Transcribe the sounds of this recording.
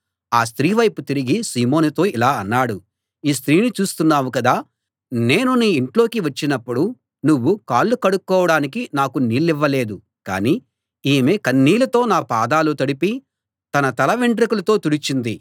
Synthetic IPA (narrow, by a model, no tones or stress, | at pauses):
aːst̪ɾiːʋɐjput̪iɾiɡisiːmo̞ːnut̪o̞ːilaːɐnːaːɽu | iːst̪ɾiːnit͡ʃuːst̪unːaːwukɐd̪aː | ne̞ːnuniːɳʈlo̞ːkiʋɐt͡ʃːinɐpːuɽu | nuʋːukaːlːukɐɽukːɔːʋɐɽaːnikinaːkuniːlːiʋːɐle̞ːd̪u | ka̰ːniː | iːmeːkɐnːiːlɐt̪o̞ːnaːpaːd̪aːlut̪ɐɽipi | t̪ɐnɐt̪ɐlɐʋiɳɖɾikulɐt̪o̞ːt̪uɽit͡ʃind̪i